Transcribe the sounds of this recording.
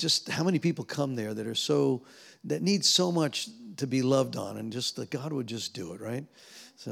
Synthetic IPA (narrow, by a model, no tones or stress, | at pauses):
d̥ʒ̥ʌsthaʊmɛnipipl̩ˠkʰʌ̃mðə˞ðɨɾə˞soʊ | ðɨtⁿnidz̥soʊmʌt͡ʃtʰɨbilʌvdn̩ɨ̰̃nd͡ʒʌstðəɡ̥ɑd̚wəd̚d͡ʒʌsd̥ɨɪt̚ɹaɪt̚ | so